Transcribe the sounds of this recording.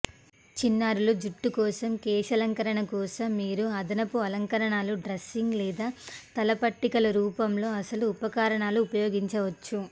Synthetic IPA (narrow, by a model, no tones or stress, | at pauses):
t͡ʃinːaːɾulud͡ʒuʈːukɔːsɐmkɛːʂɐlɐŋkɐɾɐɳɐkɔːsɐmːiːɾuɐd̪ɐnɐpuɐlɐŋkɐɾɐɳaːluɖɾesiŋɡlɛːd̪aːt̪ɐlɐpɐʈːikɐlɐɾuːpɐmlo̞ːɐsɐluːpɐkaːɾɐɳaːluːpɐjoːɡiɲt͡ʃɐʋɐt͡ʃːu